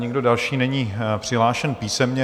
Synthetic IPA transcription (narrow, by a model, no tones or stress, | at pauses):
ɲɛɡdodalʃiːnɛɲiːpr̥ɪɦlaːʃɛnpiːsɛmɲɛ